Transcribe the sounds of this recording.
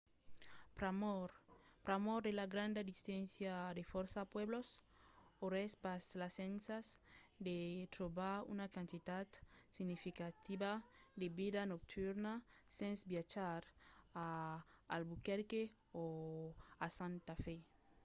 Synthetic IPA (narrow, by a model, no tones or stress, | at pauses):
pɾamoɾpɾamoɾd̪elaɡɾãnd̪ad̪isɛ̃nsjad̪efoɾsapweblos | oɾespaslasẽnsasd̪et̪ɾobaɾṵnakãnt̪it̪at̪siɡnifikat̪ibad̪ebid̪anok̚t̪ʰuɾnasẽnsbjat͡ʃaɾaː | lbukeɾke | o | asãnt̪afe